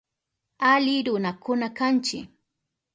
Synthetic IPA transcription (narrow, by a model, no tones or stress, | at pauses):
alɪɾʊnakʊnakant͡ʃɪ̰